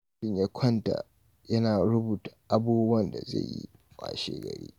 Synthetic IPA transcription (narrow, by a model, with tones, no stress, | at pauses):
ɪ˨ɲja˦kʷʰɔ˦nta˨ | jɐ˦naː˨ɽʊ˦buː˨ta˨ʔa˦buː˦bʊ˦ɐ˦nda˨zḛ˦˨jjḭ˦ | kʼa̰ː˨ʃeː˦ɡɐ˨ɽḭː˦